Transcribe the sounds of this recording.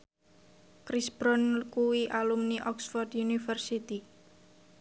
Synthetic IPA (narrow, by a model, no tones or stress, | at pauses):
kɾisbɾɔnkuwiʔalumniʔɔksfɔrd̪junifərsit̪i